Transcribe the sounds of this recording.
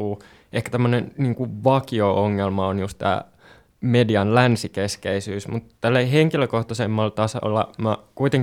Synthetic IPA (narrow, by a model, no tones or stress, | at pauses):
uː | ʔehkæt̪æmːønenniːŋkuʋʋɑkiooŋːelmɑonjust̪t̪æ̰ː | mediɑnlænsikeskeisyːsmut̪t̪ælːeiheŋkiløkoht̪ɑsemːɑlt̪ɑsɑ̰lːɑ̰mækuit̪eŋ